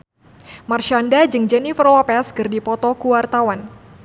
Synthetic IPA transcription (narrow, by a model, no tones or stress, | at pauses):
marʃandad͡ʒɨŋd͡ʒɛnifərlɔpɛskɨrdipɔt̪ɔkuwart̪awan